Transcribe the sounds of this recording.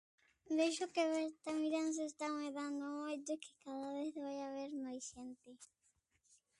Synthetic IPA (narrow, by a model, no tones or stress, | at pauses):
d̪ejʃokeβeɾt̪amiɾans̬est̪aweðand̪ʊmojt̪ekɪ̥kaðaβeθβajaβeɾnojsent̪ɪ